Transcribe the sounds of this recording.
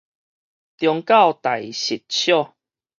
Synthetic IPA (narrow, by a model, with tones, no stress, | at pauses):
t̪jɔ˧ŋka˥˨wt̪a˨˩jɕi˨t̚t͡ɕʰjɔ˥˦˨